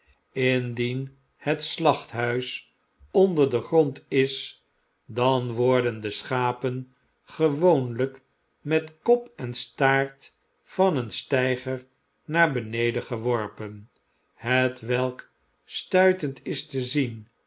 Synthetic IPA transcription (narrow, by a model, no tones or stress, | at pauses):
ɪndin | hətslɑχtɦœɥs | ondəɹdəχrɔntɪs | dɑnʋɔɹdəndəsχaːpən | χəʋownlək | mɛtkɔpɛnstaːɹt | fɑnənstɛjχəɹ | naːɹbənejdəχəʋɔɹpən | hətʋɛlˠk | stœɥtəntɪstəzin